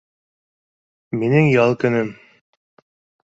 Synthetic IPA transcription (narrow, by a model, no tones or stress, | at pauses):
minɘŋjɑlˠkɵ̆nɵm